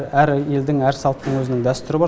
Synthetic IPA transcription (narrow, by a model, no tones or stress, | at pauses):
ɾæɾjeld̪ɪŋæɾsɑlˠt̪ːəɴwɵzɪnɪŋd̪æst̪ʏɾɪbɑɾ